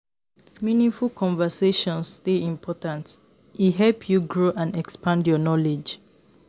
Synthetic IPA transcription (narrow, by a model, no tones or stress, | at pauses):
minĩŋfulkʰɔ̃ɱvəseʃɔ̃nsteĩmpʰɔtãnt | iɦɛlpʰjuɡɹoʔãndɛkspʰãndjɔnɔled͡ʒ